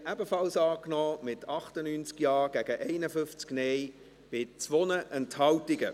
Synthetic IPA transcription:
ʔɛbəfɑlsɑːknɔːmɪtʰɑχtənynt͡skjɑːɡ̥æɡ̥əʔɛɪnəfʏnft͡sknɛj | b̥ɪt͡svɔnəʔɛnthɑltɪɡə

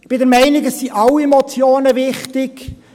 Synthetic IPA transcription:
b̥ɪdɛɾmɛɪnɪɡəssiʔɑlːiɛmɔt͡sjoːnəvɪχtɪk

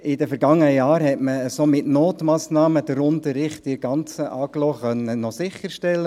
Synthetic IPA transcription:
ɪdɛfɛɾɡɑŋːənəjaːɾhɛtməəsomɪtnoːt̪mɑːsnɑːməd̥̪əɾʊnt̪əɾːɪχtɪɡ̥ɑnt͡səʔɑːklɔːχœnənɔsɪχəɾʃtɛlːə

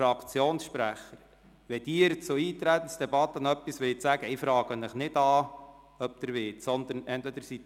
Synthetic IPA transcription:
ɾɑkʰt͡sjoːnsʃpɾæχːəɾ | ʋɛd̥iːɾt͡sʊiːt̪ɾæt̪ən̩sd̥̪ɛbɑt̪ːənœpːisʋɪlɪt͡sæɡəɪfɾɑːɡ̥ənɪχnɪdɑ | œp̚d̪əɾʋɪːtsɔnd̪ənɛnt̪ʋɛd̪əɾsi

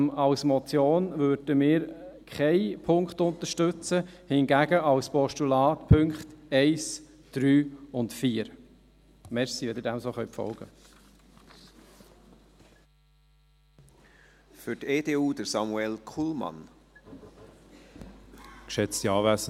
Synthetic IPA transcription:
ɑlsmɔt͡sjoːnvøɾd̥əmɪːɾkʰχɛɪpʰʊŋktʊnt̪əʃtʏt͡səhɪnɡæɡəʔɑlspɔʃtulɑːtpʰɵŋkχtɛɪs | d̥ɾyːʊntfiːəɾ | mɛɾsiʋɛdɪɾdɛmsoːχœʏpfɔ̰lɡ̥ə | fyɾteːdeːuːd̥əɾsɑmuɛlkʰulmɑ̰n | kʃɛt͡stiɑːvæsə

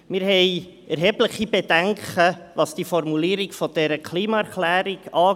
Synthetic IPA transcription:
mɪɾhɛɪ | ʔɛɾɦɛbləχibedɛŋkəʋɑsd̥ifɔɾmuliːəɾiɡfɔd̥ɛɾəkʰliːmɑɛɾklæːɾiɡ̥ɑː

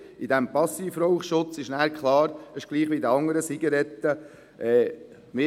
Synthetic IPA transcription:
id̥ɛmpɑsiːfɾoʊχʃʊt͡sɪʃnæːɾkʰχlˠɑːɾəʃɡ̥liːχʋid̪əɑŋəɾəsiɡɑɾɛt̪ːə | ʔɛː | mɪ

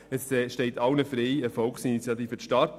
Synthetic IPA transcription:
ɛsʃteɪtɑwnəfɾeɪəfɔlksinit͡sjɑtiːfətʃtɑt

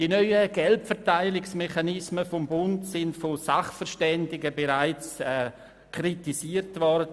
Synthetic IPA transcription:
d̥inœʏəɡ̥ɛltfɛtaɪlɪksmɛχanɪsməfombʊntsɪntfosaχfəʃtɛndɪɡəbeɾaɪt͡sɛ | kʰritisiːəɾtvɔdə

